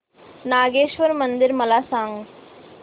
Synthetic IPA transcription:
naːɡeːʃʋəɾmɐnd̪ɪɾmɐlaːsãːŋɡ

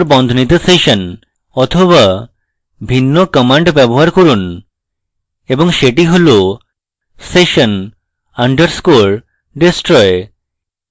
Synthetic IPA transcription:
ɾbɔnd̪ʱonit̪̬eseʃon | ɔt̪ʰoβa | bʱinːokɔmaɳɖbɛboɦaɾkoɾun | eboŋʃeʈiɦolo | seʃon | aɳɖeɾskoɾ | ɖesʈɾɔe

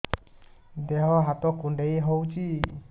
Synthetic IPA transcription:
d̪ɛɦɔɦat̪ɔkuɳɖejɦɔwt͡ʃi

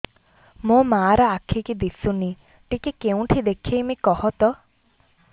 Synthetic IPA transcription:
mõmaːɾɔakʰikid̪isuni | ʈikikeũʈʰid̪ekʰejmikɔɦɔt̪ɔ

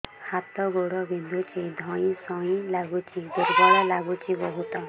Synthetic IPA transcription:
hat̪ɔɡoɽɔbind̪ʱut͡ʃid̪ʱɔ̃ĩsɔĩlaɡut͡ʃʰiduɾɡaɭɔlaɡut͡ʃibɔɦut̪ɔ

